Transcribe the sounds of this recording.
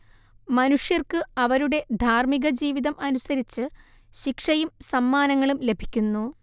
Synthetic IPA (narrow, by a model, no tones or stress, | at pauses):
mɐnuʂjɐrkɨɐʋɐɾuɽe̞d̪ʱaːrmiɣɐd͡ʑiːʋiðɐmɐnusɐɾit͡ɕːɨ | ɕikʂɐjumsɐmːaːnɐŋːɐɭumle̞bʱi̥kʲːunːu